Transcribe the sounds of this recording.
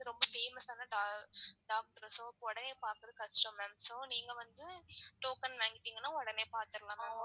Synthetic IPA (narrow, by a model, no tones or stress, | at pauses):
ɯɾɔmbɐfeːmɐsaːnɐɖaːɖaːk̚ʈɐɾsoːkɔɽɐneːpaːɾkɐðɯkɐsʈɐmɐ̃msoːniːŋɡɐʋɐnd̪ɯʈoːkɐnʋaːŋɡɪʈːiːŋɡɐnːaːɔɽɐneːpaːɾt̪ɯɾɐlaːnaː